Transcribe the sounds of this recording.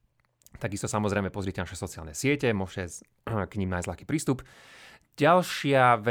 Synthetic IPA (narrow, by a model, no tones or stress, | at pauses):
t̪aɡist̪ɔsamɔzɾɛjmɛpɔzɾɪɛcɛnaʃɛsɔt͡sia̰lnɛsɪɛcɛmʊɔʃcɛ | kɲiːmnajzlaxkiːpɾiːst̪up | ɟalʃɪaʋɛ